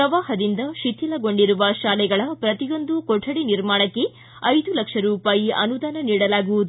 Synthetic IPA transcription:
pɾɐʋaːɦɐd̪ind̪ɐʃit̪ʰjilɐɡo̞ɳɖiɾuʋɐʃaːlɛɡɐɭɐpɾɐt̪ijo̞nd̪ukɔʈʰːɐɽiniɾmaːɳɐkːe | ɐjd̪ulɐkʂɐɾuːpaːjiʔɐ̰nud̪aːnɐniːɽɐlaːɡuʋud̪u

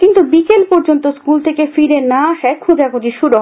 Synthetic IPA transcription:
kint̪ubikelpɔɾd͡ʑont̪oskult̪ʰekefiɾenaaʃaekʰõd͡ʑakod͡ʑiʃuɾuɦ

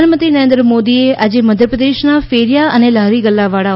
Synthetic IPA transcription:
anmənt̪ɾinəɾẽnd̪ɾəmod̪iead͡ʒeməd̪ʱjəpɾəd̪eʃnafeːɾijaənelaɦɾiɡəlːaʋaɽa

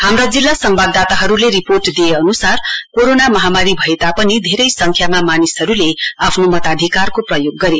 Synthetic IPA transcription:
hamrad͡zilːasʌmbʱab̚d̪at̪aɦʌɾuleɾiporʈd̪ijeʌnusarkoɾonamʌɦamaɾibʱʌet̪apʌnid̪ʱeɾʌjsʌŋkʰjamamanisʌɾuleapʰnomʌt̪ad̪ʱikarkoprʌjoɡːʌɾe

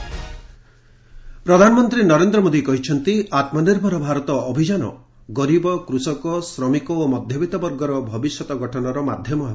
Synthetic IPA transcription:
pɾɔd̪ʱanɔmɔnt̪ɾinɔɾend̪ɾɔmod̪ikɔɦit͡ʃʰɔnt̪iat̪mɔniɾbʱɔɾɔbʱaɾɔt̪ɔːbʱid͡ʒanɔ̰ | ɡɔɾibɔkɾusɔkɔsɾɔmikɔomɔd̪ʱjɔbit̪ɔbɔɾɡɔɾɔbʱɔbisjɔt̪ɔɡʱɔʈʰɔnɔɾɔmad̪ʱjɔmɔɦ

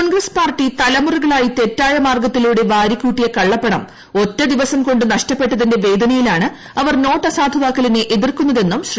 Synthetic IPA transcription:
onɡrɐspaːrʈːit̪ɐlɐmuruɣɐɭaːjit̪e̞tːaːjɐmaːrɡɐt̪ːiluːɽe̞ʋaːɾikːuːʈːijɐkɐɭːɐpːeɳɐm | o̞tːɐd̪iʋɐsɐmko̞ɳɖɨnɐʂtɐpːe̞ʈːɐðinde̞ʋe̞ːd̪ʱɐnɐjilaːɳɨ | ɐʋɐrno̞ːʈːɐsaːd̪ʱɐʋaːkːɐlineʔeðirkunːɐðe̞nːumɕr

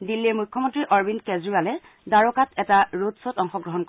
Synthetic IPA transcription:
dilːiɹmujkʰːɔmɔntɹiʔɔɹbindkezɹibalɛ | daɹɔkatʰɛtaɹotsotɔŋxɔɡɹɔɦɔnk

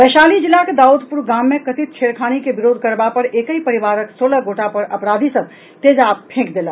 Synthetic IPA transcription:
bəʃaːlid͡ʒilːaked̪aːud̪ʱpuɾɡaːmːẽkɐt̪it̪̚t͡ʃʰeːɾkʰaːñikebɪɾoːd̪ʱkəɾbapəɾeːkəipɐɾiʋaːɾəksoːləɡoːʈapɐɾʔɐpɾaːd̪ʱisəb̚ | t̪eːd͡ʒaːp̚pʰẽːkd̪eːla

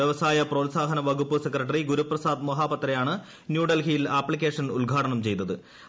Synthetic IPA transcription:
eʋɐsaːjɐproːd̪saːɦɐnɐʋɐɡupːɨsekrɐʈ̬ːɐriɡuɾuprɐsaːd̪mɐɦaːpɐt̪rɐjaːɳɨ | njuːɖɐlkijilaːpːɭik̬ʲːeːʂɐnulɡʱaːʈɐɳɐmt͡ɕe̞jt̪ːɐðɨ

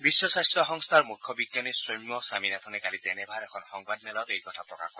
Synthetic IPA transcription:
bisːɔsast̪ɾɔɦɔŋst̪ʰaɾmukʰːjɔbiɡjanisojmːɔsaminat̪ʰɔnekalizenebʱaɾekʰɔnhɔŋbad̪nɛlat̪ejkɔtʰapɾɔka̰hkɔɾe

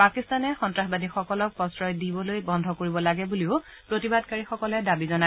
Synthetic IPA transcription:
pakist̪anɛxɔntɹaxbadixɔkɔlɔk̚pɔsɹɔjdibɔlojbɔndʱɔkoɹibɔlaɡɛbuliʊ | pɹotibadkaɹixɔkɔlɛdabizɔna

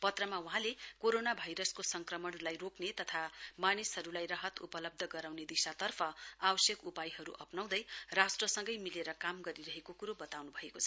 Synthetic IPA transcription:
pʌt̪rʌmawuɦãlekoɾonabʱajɾʌskosʌŋkrʌmʌɳlajroknet̪ʌt̪ʰamanishʌɾulajrʌɦʌt̪ṵpʌlʌb̚d̪ʱʌɡʌɾawned̪isat̪ʌrpʰʌabʌsjʌkupajɦʌɾuʔʌpnaw̃d̪ʌjrasʈrʌsʌŋɡʌjmileɾʌkamɡʌɾiɾʌɦekokuɾobʌt̪awnubʱʌekot͡sʰʌ

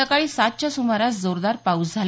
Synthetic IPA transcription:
əkaɭiːsat̪̚t͡ɕasumaɾat͡sd͡zoɾd̪aɾpausd͡zʱal

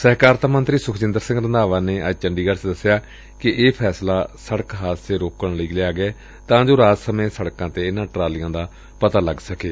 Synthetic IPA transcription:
sɛːkaːɾt̪amə̃nt̪ɾiːsʊkʰd͡ʒɪ̃nd̪əɾsɪ̃ŋɡɾənd̪aːʋaːneːʔəd͡ʒt͡ʃəɳɖiːɡəɽsd̪əsːjaː | kɪʔeːpʰɛːslaːsəɽəkɦaːt̪seːɾoːkəɳləiːleaːɡɛː | t̪ãːd͡ʒoːɾaːt̪səmẽːsəɽkãːt̪eːɪnãːʈɾaːlɪjãːd̪aː | pət̪aːləɡsəkeː

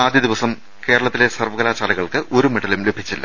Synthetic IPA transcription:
aːd̪ʱjɐd̪iʋɐsɐm | keːɾɐɭɐt̪ːile̞sɐrʋɐɣɐlaːt͡ɕaːlɐɣɐɭkɨʔo̞ɾumiɽɐlumle̞bʱit͡ɕːilːɐ̰

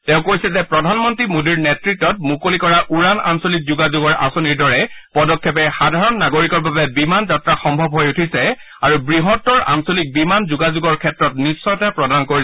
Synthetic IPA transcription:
tɛ̃ʊ̃kojsɛzɛpɹɔdʱanmɔntɹimodiɹnɛtɹitːɔt̚mukolikɔɹaʔuɹana̰nsolik̚zuɡazuɡɔɹʔa̰soniɹdɔɹɛpɔdɔkʰːɛpɛxadʱaɹɔnːaɡoɹikɔɹbabɛbimanzatɹaxɔmbʱɔbɦojutʰisɛ | aɹubɹiɦɔtːɔɹa̰nsolik̚bimanzuɡazuɡɔɹkʰɛtɹɔtnisːɔjtapɹɔdankoɹi

